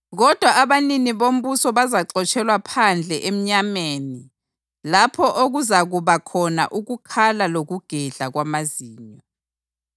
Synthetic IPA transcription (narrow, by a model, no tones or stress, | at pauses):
ɣɔd̥ʱwaʔaβaniniβom̩βusɔβazaǁɔt͡ʃʰʼɛlwapʰand͡ɮʱɛʔem̩ɲameːni | lapʰɔʔoɣuzaɣuβakʰɔna̰ʔuɣukʰalaloɣuɡ̥ʱɛɮaɣwamaziːɲɔ